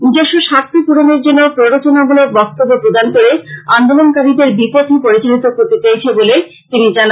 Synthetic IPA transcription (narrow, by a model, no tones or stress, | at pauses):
nid͡ʑeʃoʃat̪ʰipuɾoneɾd͡ʑonːopɾoɾot͡ɕonaɡulobɔk̚t̪obːopɾod̪ankoɾeand̪olonkaɾid̪eɾbipot̪ʰipoɾit͡ɕolit̪okoɾt̪et͡ɕajt͡ɕʰebole | t̪inid͡ʑana